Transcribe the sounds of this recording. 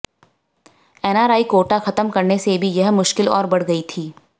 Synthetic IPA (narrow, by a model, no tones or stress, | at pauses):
ɛːnaːɾaːikoːʈaxɐt̪əmkɐɾnesebʱijɐɦmʊʃkɪlɔ̰ːɾbɐɽ̤ɡɐit̪ʰiː